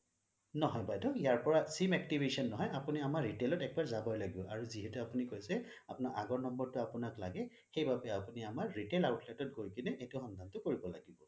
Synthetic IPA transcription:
nɔɦɔjbajdɔijaɹpɔɹasimɛk̚tibesɔnːɔɦɔjapuniamaɹɹitelɔtɛk̚baɹzabɔjlaɡiɔaɹuziɦɛtuapunikojsɛ | apʊnaɹʔaɡɔɹnɔmbɔɹtʊapʊnaklaɡɛ | xejbabɛapuniamaɹːitelaʊtʰlɛtɔt̚ɡʱojkinɛʔetʊxɔndʱantʊkoɹibɔla̰ɡibɔ

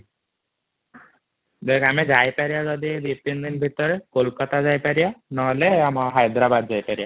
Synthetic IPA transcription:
d̪ekamed͡ʒajpaɾiad͡ʒɔd̪ibipind̪inbʱit̪ɔɾekolkɔt̪azajpaɾijanɔɦleamaɦajd̪ɾabad̪d͡ʒajpaɾija

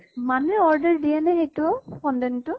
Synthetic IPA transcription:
manɛɔɹdɛɹdijɛnɛxejtʊɔpɔndɛntʊ

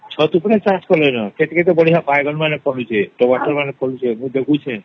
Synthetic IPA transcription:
t͡ʃʰət̪upɽesãt͡ʃkəlenaket̪ikʰet̪obəɽiɦãpajɡənmanepʰəlũt͡ʃʰeʈoʋaʈəɾmãnepʰəlũt͡ʃʰeɦũd̪ekũt͡ʃʰẽ

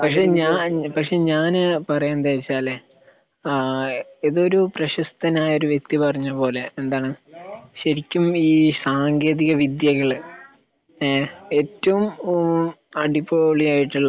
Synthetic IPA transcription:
pɐkʂe̞ːɲaːpɐkʂe̞ɲaːnpɐrɐjend̪eːit͡ɕːaːle | eðo̞ɾuprɐɕɐst̪ɐnaːjo̞ɾuʋjek̚t̪ipɐrɐɲːɐpo̞ːle̞end̪aːɳɨɕɐɾikʲːumiːsaːŋɡe̞ːðiɣɐʋid̪jɐɣɐɭ | e̞ːtːɐʋum | ɐɽipːoːɭiaːjiʈːuɭːɐ

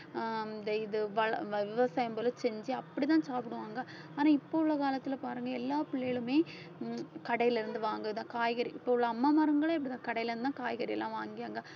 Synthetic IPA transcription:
d̪ɛɪðɯʋɐɭɐʋɪʋɐsaːjɐmbɐlɯsɛɲd͡ʒiɐpːɐɽit̪ãːsaːpɪɽɯʋaːŋɡɐ | aːnaːɪpːoʊɭːɐkaːlɐt̪ːɪlɐpaːɾɯŋɡɐɛlːaːpɪɭːejɪɭɯmeː | kɐɽɐjɪlɪɾɯnd̪ɯʋaːŋɡɯt̪ãːkaːjɣɐɾiʔɪpːoːɯɭːɐɐmːaːmaːɾɯŋɡɐɭeɪpːɐɽɪt̪ãːkɐɽɐjɪlɪɾnɯt̪ãːkaːjɣɐɾiɛ̰lːãːʋaːŋɡɪjaːŋɡɐ

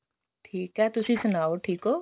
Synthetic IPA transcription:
ʈʰiːkɦɛt̪ʊsisʊnaːoʈʰiːkɦoː

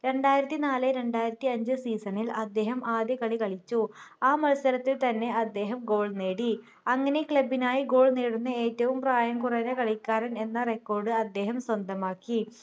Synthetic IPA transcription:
ɾe̞ɳɖaːjiɾɐt̪ːinaːlɨɾe̞ɳɖaːjiɾɐt̪ːiɐɲd͡ʑɨsiːsɐnilɐd̪ːe̞ːɦɐmʔaːd̪jɐkɐɭikɐɭit͡ɕːuaːmɐlsɐɾɐt̪ːilt̪ɐnːe̞ʔɐd̪ːe̞ːɦɐmɡo̞ːɭneːɽi | ɐŋːɐne̞kɭɐbːinaːjiɡo̞ːɭneːɽunːɨeːtːɐʋumpraːjɐŋkurɐnekɐɭikʲːaːɾɐne̞nːɐrekːo̞ːrɖɨɐd̪ːe̞ːɦɐmswɐnd̪ʱɐmaːkːi

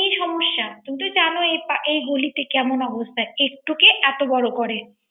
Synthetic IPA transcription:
ijʃɔmoʃːakunt̪ud͡ʑanoepaʔejɡolit̪ekɛmonɔbost̪ʰaeek̚ʈukeʔɛt̪obɔɽokɔɾe

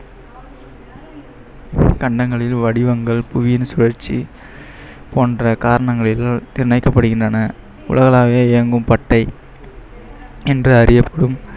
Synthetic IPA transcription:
kɐɳɖɐŋɡɐɭɪlʋɐɽɪʋɐŋɡɐɭpʊʋɪjɪnsʊɻɐɾt͡ʃːi | poːndrɐkaːɾɐɳɐŋɡɐɭɪlanɪɾɪnɐɪkːɐpːɐɽɯɣɪndrɐnɐ | ʊ̰lɐɣɐlaːʋeːɛːɐŋɡɯmpɐʈːɐɪ | ɛndrɯɐɾɪjɐpːɐɽɯm

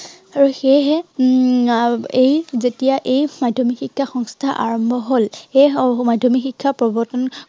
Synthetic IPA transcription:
aɹuxeɦɛ | ejzetijaʔejmadʱomixikʰːaxɔŋstʰaʔa̰ɹɔmbʱɔɦolemadʱɔmixikʰːapɹɔbɔtɔn

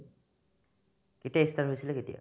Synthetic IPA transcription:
kitiaist̪aɹɦojsileketḭja̰

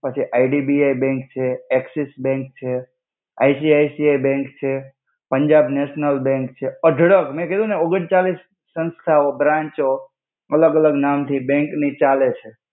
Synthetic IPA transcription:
pət͡ʃʰiʔaiɖibiajbɛ̃ŋkt͡ʃʰeɛksisbɛ̃ŋk̚t͡ʃʰe | a̰jsiajsiajbɛ̃ŋkt͡ʃʰe | pəɲd͡ʒabneʃnəlbɛ̃ŋkt͡ʃʰeəɖʱɽəkmɛ̃ked̪ũneoɡəɳt͡ʃalisː | ə̃nst̪ʰaobɾãɲt͡ʃo | ələɡələɡnamt̪ʰibɛ̃ŋknit͡ʃalet͡ʃʰe

